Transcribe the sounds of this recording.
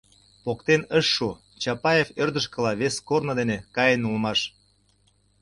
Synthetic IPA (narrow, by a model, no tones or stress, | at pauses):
pokt̪enəʃːu | t͡ɕɑpɑjeførd̪ə̆ʃ̬kə̆lɑβeskornod̪enekɑjenulmɑʃ